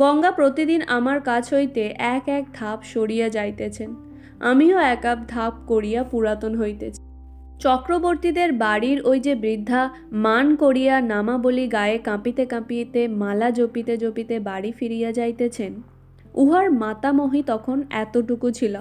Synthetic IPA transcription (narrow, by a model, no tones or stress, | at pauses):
ɡɔŋɡapɾot̪id̪inamaɾkat͡ɕʰɦojt̪eʔɛkɛk̚d̪ʱapʃoɽijad͡ʑajt̪et͡ɕʰen | a̰mioɛkab̚d̪ʱap̚koɾijapuɾat̪onɦojt̪et͡ɕʰ | t͡ɕɔkɾoboɾt̪id̪eɾbaɽiɾojd͡ʑebɾid̪ʱːa | mankoɽijanamaboliɡaekãpit̪ekãpit̪emalad͡ʑopit̪ed͡ʑopit̪ebaɽifiɾijad͡ʑajt̪et͡ɕʰen | uɦaɾmat̪amoɦit̪ɔkʰonɛt̪oʈukut͡ɕʰilo